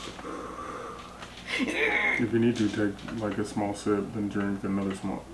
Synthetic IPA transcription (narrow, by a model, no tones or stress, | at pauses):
ɨfjɨnid̚tɨtʰeɪklaɪkɨsmɔlˠsɪp̚ðɨ̃ndɹɪ̃ŋk̚ðɨnʌðə˞smɔ̰lˠ